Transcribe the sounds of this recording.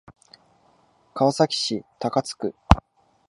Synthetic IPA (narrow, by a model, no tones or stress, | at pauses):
kaasakʲi̥ɕit̪akat͡sɨ̥kɯ̟